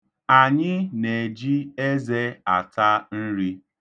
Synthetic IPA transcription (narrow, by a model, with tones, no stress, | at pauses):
a˨ɲɪ˦ne˨d͡ʒi˦e˦ze˦a˨ta˦n̩˦ɾi˦